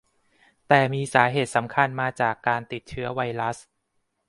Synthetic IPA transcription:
t̪ɛː˨˩miː˧saː˩˦ɦeː˨˩t̪̚sa˩˦mkʰa˧nmaː˧t͡ɕaː˨˩kːaː˧nt̪i˨˩t̪̚t͡ɕʰɯ˦˥ɐwa˧jɾa˦˥s

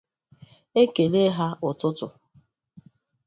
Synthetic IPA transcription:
e˦ke˨le˦ɦa˦ʊ˨tʊ˦tʊ˨

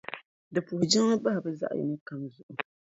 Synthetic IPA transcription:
dɨ˨pu˨hʊ˨d͡ʒɪ˦ŋɨ˦ba˦ha˨bɨ˦za̰˦ʔjɛ̰˨nɨ˦ka˦mzʊ˨ʔʊ˨

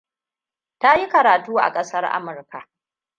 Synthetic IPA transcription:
ta˦ji˦kɐ˨ɾaː˨tuː˦ʔa̰˨kʼɐ˦sɐ˦rʔa̰˦mʊ˨rka˨ʔ

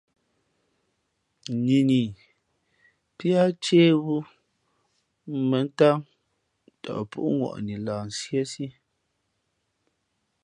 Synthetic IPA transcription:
ɲi˨ni˨ | pi˦a˦t͡ʃeː˦wu˦ | mə˨˦n˦ta˦ŋ | tɔ̰˨ʔpṵ˦ʔŋwɔ̰˨ʔni˨laː˨n̩˨sje˦si˦

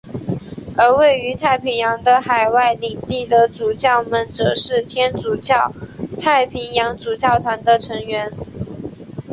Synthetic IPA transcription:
ə˞˧˥we˥˩ɪy˧˥t̪ʰa˥˩ɪpʰi˧˥ŋjɑ˧˥ŋd̪ə˧xa˨˩ɪwa˥˩ɪli˨˩ŋt̪i˥˩d̪ə˨t͡su˨˩t͡ɕjɑ˥˩ʊmə˨˩nʈ͡ʂɤ˨˩ʂɻ̩˥˩t̪ʰjɛ˥nt͡su˨˩t͡ɕɑ˥˩ʊt̪ʰa˥˩ɪpʰi˧˥ŋjɑ˧˥ŋt͡su˨˩t͡ɕjɑ˥˩ʊt̪ʰwa˧˥nd̪ə˧ʈ͡ʂʰɤ˧˥ŋɥɛ˧˥n

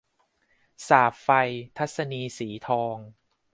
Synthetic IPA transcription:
saː˨˩p̚fa˧jt̪ʰa˦˥t̪̚sa˧niː˧siː˩˦t̪ʰɔː˧ŋ

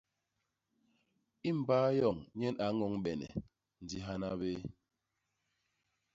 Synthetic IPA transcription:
i˦m̩˨baː˦jɔ˨ŋɲɛ˦na˨˦ŋɔ˨˦ŋɓɛ˨nɛ̰˨ | n̩˨di˦ɦa˦na˦be˦

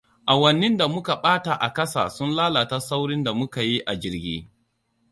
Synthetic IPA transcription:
ʔa˨wɐ˨nːɪ˦nda˨mʊ˦ka˨ɓaː˦ta˨ʔa˨kɐ˦sa̰˨sʊ˦nlaː˦la˨ta˦sa˦wɽɪ˦nda˨mʊ˦ka˨ji˦ʔa˨d͡ʒɪ˨ɾɡʲḭː˦

